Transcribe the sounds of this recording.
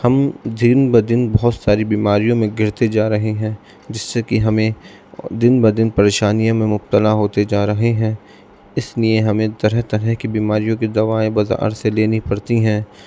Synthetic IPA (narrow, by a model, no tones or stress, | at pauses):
hɐmd̪ɪnbəd̪ɪnbɔɦʊt̪saːɾibiːmaːɾijõmẽɡʱɪɾt̪ed͡ʒaːɾɐɦeɦɛ̃ː | d͡ʒɪsːekiɦɐmẽ | d̪ɪnbɐd̪ɪnpɐɾeːʃaːnijõmẽmʊb̚t̪əlaɦoːt̪ed͡ʒaːɾɐɦeɦɛ̃ː | ɪslieɦɐmẽt̪ɐɾɛɦt̪ɐɾɛɦkibiːmaːɾijõkid̪ɐʋaːẽbɐza̰ːɾseleːnipɐɽt̪iɦɛ̃ː